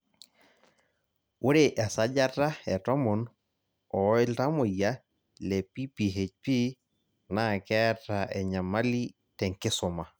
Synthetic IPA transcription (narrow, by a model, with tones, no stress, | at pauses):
wʊ˦ɾɪ˨ʔɛ˨sa˦ɟa˦ta˦ɛ˨tɔ˦mɔ˨n | ɔ˨˦ɪ˦lta˦mʊ˨ja˦ | lɛ˨pi˦pi˨ɦe˨cpi˦ | na˦˨kɛ˦ta˨ʔɛ˨ɲa˨ma˦li˦ | tɛ˨ŋkɪ˦sʊ˨ma˨